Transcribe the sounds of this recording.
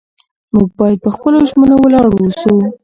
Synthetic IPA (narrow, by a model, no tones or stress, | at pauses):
muɡ̚bɑjad̪̚pəxpəloʒmənowəlɑɽwusu